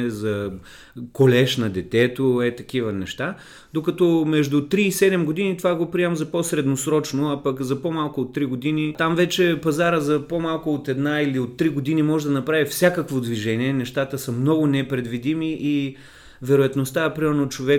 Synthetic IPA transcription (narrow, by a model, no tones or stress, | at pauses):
ɛzɐ | kolɛʃnɐd̪ɛt̪ɛt̪oɛt̪ɐkivənɛʃt̪a | d̪okɐt̪ɔmɛʒd̪ʊt̪ɾiːsɛd̪ɛmɡod̪init̪ovaɡopɾiɛmzɐposɾɛd̪nosɾɔt͡ʃnoɐpɐkzɐpomalˠkʊot̪ːɾiɡod̪init̪amvɛt͡ʃɛpɐzaɾəzɐpomalˠkʊot̪ɛd̪nailiot̪ːɾiɡod̪inimɔʒɛd̪ɐnɐpɾavifsʲakəkvod̪viʒɛniɛnɛʃt̪at̪əsɐmnɔɡʊnɛpɾɛd̪vid̪imiʔi | vɛɾʊjɐt̪nost̪aɛpɾimɛɾnot͡ʃovɛ